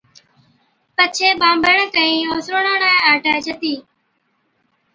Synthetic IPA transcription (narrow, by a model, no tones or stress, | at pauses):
pət͡ʃʰeːɓãːmbəɳkəĩːoːsɾoːɳãːnaːaːʈəːt͡ʃʰət̪iː